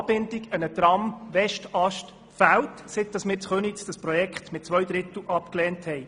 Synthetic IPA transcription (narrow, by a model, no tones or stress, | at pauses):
b̥ɪndɪɡənəd̪ɾɑmʋɛʃtɑʃt | fæwtsɪt̚d̥ɑsmɪːɾt͡sχønit͡sd̥̪ɑsprɔjɛkχt̪mɪt̚t͡sʋœɥd̪ɾɪt̪l̩ʔɑpklɛːnthɛɪ